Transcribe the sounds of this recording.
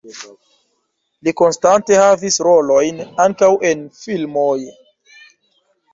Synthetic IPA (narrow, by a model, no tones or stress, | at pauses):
liko̞nstante̞havisɾo̞lo̞jnaŋkawʔe̞nfilmoj